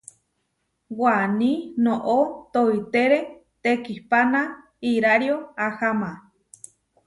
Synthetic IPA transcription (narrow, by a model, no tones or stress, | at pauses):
wanĩnõʔot̪oit̪eɾe | t̪ekihpana | iɾaɾjoahama